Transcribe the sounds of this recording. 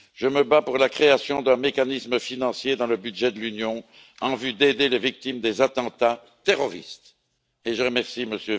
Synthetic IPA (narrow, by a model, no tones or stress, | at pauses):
ʒ̥əməbapuʁlakχeasjɔ̃d̪ɛ̃mekanisməfinɑ̃sjed̪ɑ̃ləbyd̪ʒɛd̪əlynjɔ̃ | ɑ̃vyd̪ed̪elevik̚t̪imd̪ezat̪ɑ̃t̪a | t̪eʁɔʁḭst̪ | eʒəʁəmɛʁsiməsjø